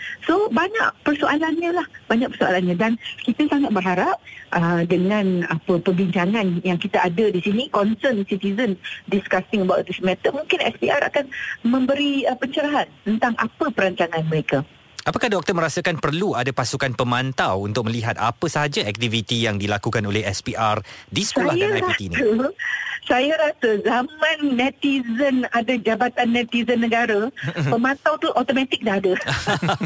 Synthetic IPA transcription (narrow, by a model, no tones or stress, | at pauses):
sobaɲa̰ʔpərsoʔalanɲalahbaɲãk̚pərsoa̰lanɲãdankit̪asaŋat̪̚bərɦaɾap̚ʔədəŋãnapəpəbiɲd͡ʒaŋanjaŋkit̪aadədisinikɔnsənsit̪izəndiskast̪ɪŋəbawt̪̚dismɛ̃t̪əʔ̚mũŋkɪnɛspiʔaɾa̰kanmə̃mbəɾiəpəɲt͡ʃəɾaɦant̪ənt̪aŋʔa̰pəpəɾaɲt͡ʃaŋãnməɾeka | ʔapakahdɔk̚t̪əmə̃ɾasakanpərluadapasukanpəmant̪awunt̪ʊk̚mə̃liɦat̪apəsəɦad͡ʒaɛk̚t̪ivit̪ijaŋdilakukanolɛhɛspiʔardisə̥skoalahjaaɾait̪iniə | sajaɾasəzamãnːɛ̃t̪izənadad͡ʒabat̪anːɛ̃t̪izənːəɡaɾapəmãnt̪awt̪uʔɔt̪omãt̪ɪk̚daɦada